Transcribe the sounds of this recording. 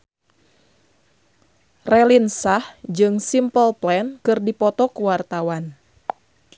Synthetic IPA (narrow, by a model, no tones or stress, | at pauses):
rɛlinsahd͡ʒɨŋsimpəlplɛnkɨrdipɔt̪ɔkuwart̪awan